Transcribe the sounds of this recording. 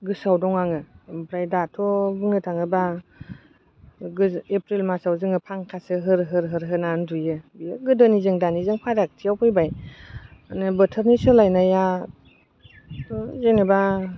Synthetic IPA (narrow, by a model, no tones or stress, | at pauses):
ɡɯsawdɔŋaŋɯbɾajdatʰɔbɯŋnɯtʰaŋɯba | ɡɯepɾilmasawzɯŋɯpʰaŋkʰasɯɦɯɾɦɯɾɦɯɾɦɯnandujɯbɯjɯɡɯdɯnizɯŋdanizɯŋpʰadak̚tʰijawpʰɯjbaj | anɯbɯtʰəɾnisɯlajnaja | tɔzenɯba